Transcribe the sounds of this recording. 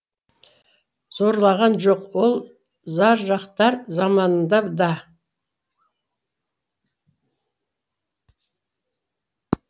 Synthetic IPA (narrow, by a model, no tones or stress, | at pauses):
z̥o̞ɾlˠɑʁɑnʒo̞qwo̞lˠ | zɑɾʒɑqt̪ɑɾzɑmɑnənd̪ɑd̪ɑ